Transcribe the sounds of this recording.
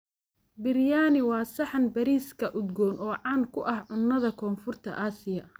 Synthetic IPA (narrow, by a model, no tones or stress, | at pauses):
bɪrjaːnɪwɑːsɐħɑnbɐɾiːskʰɐʔʊd̪ɡɔːnɔːʕɑːnkʰʊʔɐhʕʊnːɐðɐkʰɔːnfʊrt̪ʰɐ̰ʔaːsɪjɐ